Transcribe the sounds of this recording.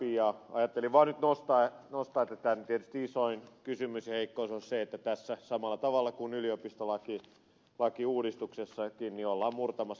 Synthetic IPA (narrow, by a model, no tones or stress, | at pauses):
ijɑɑ̰jɑt̪ːeliʋʋɑːnnyt̪nost̪ɑenost̪ɑːet̪ːæt̪ːænt̪iet̪y̥st̪iisoinkysymysjɑheikːoisonseet̪ːæt̪æsːæsɑmɑlːˑɑt̪ɑʋɑlːɑkunyliopist̪olɑki | lɑkiuːdist̪uksesːɑkinniolːɑːmmurt̪ɑmɑs